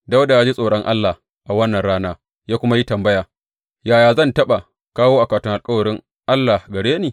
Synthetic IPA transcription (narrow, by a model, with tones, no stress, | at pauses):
da˦wda˨jaː˦d͡ʒi˦sʼoː˨ɽɐ˦ŋʔa̰˦lːa˨ | ʔa˨wɐ˦nːɐ˨nɽaː˦naː˦ | jaː˦kʷʊ˦ma˦ji˦tɐ˨mbɐ˦jaː˨ | jaː˨jaː˨zɐ˦˨ntɐ˦ɓa˨ | kaː˦woː˦ʔa˨kaː˨tɪ˦ŋʔa˨kʼɐ˦wɐ˨ɽɪ˦ŋ | ʔa˦lːa˨ɡɐ˨ɽeː˦neː˨